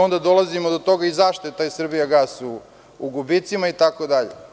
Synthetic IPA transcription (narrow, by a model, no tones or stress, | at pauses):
ond̪ad̪o̞lˠazimod̪ot̪o̞ɡaizaʃt̪oet̪aːjsr̩bijaɡasu | uɡubit̪simait̪akod̪aʎḛ